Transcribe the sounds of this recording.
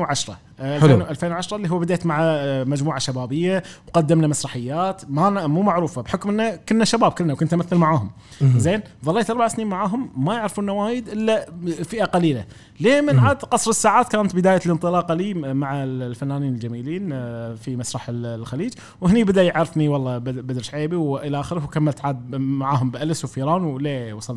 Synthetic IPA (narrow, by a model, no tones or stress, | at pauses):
ʕaʃɾˤɑ̰ | ʔalːʔalfeːnwʕaʃɾˤɑlːiːɦʊwːbɪd̪eːt̪maʕamad͡ʒmuːʕaʃabaːbɪjːawqɑd̪ːɪmnamasɾˤɑħɪjːaːt̪mamuːmaʕɾuːfabħʊkmʔɪnːakʊlnaʃabaːb̚kʊlːnawkʊnt̪ːmaθːalmaʕaːhʊm | zeːn | ðˤɑlːeːt̪ʔɑɾˤbaʕsniːnmaʕaːɦʊmːajɪʕɾɪfuːnːawaːjɪd̪ʔɪlːafiʔaqɑliːla | leːmɪnʕaːd̪qɑsˤɾɪsːaːʕaːt̪̚kaːnt̪bɪd̪aːjalənt̪ˤɨlɑːqɑliːmaʕallfanːaːniːnəld͡ʒamiːliːnfimasɾˤɑħllxaliːd͡ʒ | wəhnibɪd̪ajɪʕɾɪfniwɑlˤːɑbbad̪ɾʃʕeːbiwʔɪlaʔaxəɾəhwkamːalt̪ʕaːd̪̚maʕaːɦʊmbʔalɪswfiːɾaːnwlewɑsˤɑl